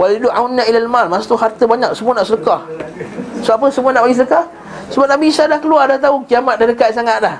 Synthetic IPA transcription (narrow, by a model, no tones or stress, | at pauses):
waliduʔawnːailalmalmasat̪uɦart̪əbaɲak̚səmuanaʔsələkah | səap̬əsəmuanaʔbaɡisələkah | səbap̚nabisadahkəluardaht̪aukiamat̪̚dadəkat̪̚saŋat̪̚lah